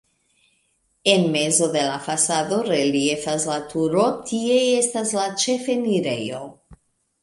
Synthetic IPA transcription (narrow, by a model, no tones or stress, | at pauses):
e̞nmezo̞d̪e̞lafasad̪o̞ɾelie̞faslat̪uɾo̞tʰie̞estaslat͡ʃefeniɾejo